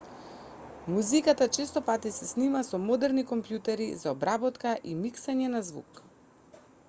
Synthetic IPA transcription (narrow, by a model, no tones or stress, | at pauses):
muzikat̪at͡ʃɛst̪ɔpat̪isɛsnimasɔmɔd̪ɛɾnikɔmpjut̪ɛɾizaɔbɾabɔt̪kaʔimiksaɲɛnazvṵk